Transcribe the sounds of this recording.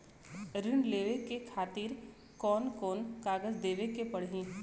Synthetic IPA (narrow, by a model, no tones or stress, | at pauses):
ɾɪɳleːʋekekʰaːt̪iːɾ | kɔːnkɔːnkaːɡəzd̪eːʋekepɐɽɦĩː